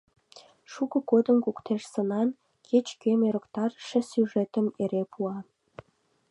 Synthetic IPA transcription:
ʃukɤ̆kod̪ə̆mkukt̪ʰeʃsə̆nɑn | kʲʰet͡ɕkʲemeɾə̆kt̪ɑrʃɘ̆syʐet̪ə̆meɾepʰuɑ

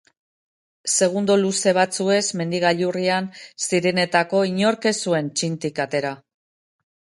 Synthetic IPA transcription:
se̞ɣund̪oluse̞β̞at͡sue̞zme̞nd̪iɣaʎuriansiɾe̞ne̞t̪ako̞iɲo̞ɾke̞sue̞nt͡ʃint̪ikat̪e̞ɾa

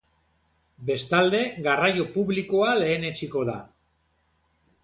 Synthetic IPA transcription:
be̞st̪ald̪e̞ɣarajo̞puβliko̞ale̞ːne̞t͡ʃiko̞ða̰

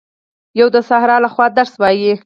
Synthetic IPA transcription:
jawd̪əsahɾɑlaxwɑd̪aɾswɑji

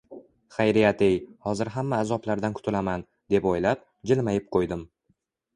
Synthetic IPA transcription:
χajɾijat̪ejhɒzɪɾɦamːaːzɒblaɾd̪ankʰʊ̥t̪ʰɪlaman | d̪e̞pojlap̚ | d͡ʒɪlmajɪp̚qʰojd̪ɪm

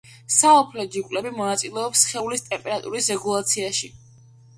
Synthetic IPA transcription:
saɔpʰlɛd͡ʒikʼlɛbimɔnat̪sʼilɛɔpsχɛulist̪ʼɛmpʼɛɾat̪ʼṵɾisɾɛɡulˠat̪sʰiaʃi

